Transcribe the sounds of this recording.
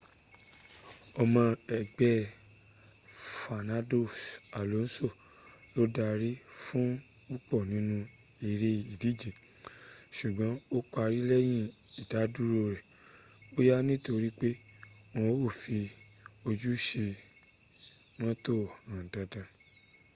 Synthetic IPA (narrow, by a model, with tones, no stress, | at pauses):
ɔ˧mã˧ɛ˨ɡ͡bɛ˦ | fa˨nã˦do˦˨sa˨lo˨˦n̩˦so˦˨lo˨˦da˧ɾi˦fũ˦u˦k͡pɔ˦˨nĩ˨˦nũ˧i˨ɾe˧i˨di˨˦d͡ʒi˨ | ʃu˨ɡ͡bɔ̃˨˦o˦k͡pa˧ɾi˦lɛ˦j̃ĩ˦˨i˨da˨˦du˦ɾo˧˨ɾɛ˨o˦ja˦nĩ˦to˧ɾi˦k͡pe˦wɔ̃˧˦o˦˨fi˧o˧d͡ʒu˦ʃe˧ | nɔ̃˦to˦˨ã˨da˨dã˧